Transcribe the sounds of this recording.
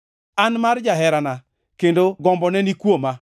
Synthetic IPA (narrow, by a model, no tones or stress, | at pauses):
anmard͡ʒaɦɛɾana | kendoɡɔmbɔnɛnikwoma